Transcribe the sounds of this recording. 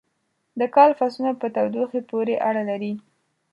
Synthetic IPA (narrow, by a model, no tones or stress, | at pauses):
d̪əkɑlfasunapət̪awd̪uxepoɾeʔaɽalaɾi